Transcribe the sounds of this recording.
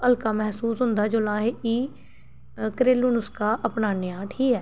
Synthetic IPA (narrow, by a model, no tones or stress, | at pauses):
əlkaːmɛɦsuːsɦʊ̃nd̪aːd͡ʒoːlãːɦeiː | kɾeːluːnʊskaːʔəpnaːnɪjaːʈʰiːɛː